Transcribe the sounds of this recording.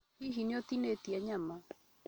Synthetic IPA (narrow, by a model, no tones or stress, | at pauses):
iɦinjɔt̪inet̪iɛɲama